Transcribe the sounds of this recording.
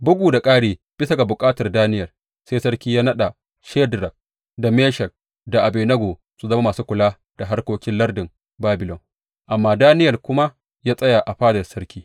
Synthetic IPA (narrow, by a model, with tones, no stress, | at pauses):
bʊ˦ɡʷuː˨da˨kʼaː˦ɽeː˦ | b̥ɪ˦sa˦ɡa˨bʊ˨kʼaː˦tɐ˨rdaː˦nɪ˦jɐ˨l | se˦sɐ˦ɽkʲiː˦jaː˦nɐ˦ɗa˨ | ʃɛː˦dɾɐ˨k̚ | da˨meː˦ʃɐ˨l | da˨ʔa˨beː˨nɐ˦ɡoː˨ | su˨zɐ˦ma˦maː˨suː˦kʷʊ˨laː˦ | d̥a˨ɦa˦rkʷoː˦kʲɪ˦nlɐ˦rdɪ˨m | baː˦bɪ˨lɔ˨ŋ | ʔa˨mːaː˦daː˦nɪ˦jɐ˨lkʷʊ˦ma˦ | jaː˦sʼɐ˦ja˨ʔa˨ɸaː˦dɐ˨rsɐ˦rkʲiː˦